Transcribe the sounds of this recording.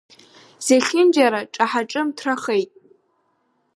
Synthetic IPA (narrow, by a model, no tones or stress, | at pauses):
z̥eɬʲɪnd͡ʒaɾaʈ͡ʂʼaħaʈ͡ʂʼɨmtʰraχejtʼ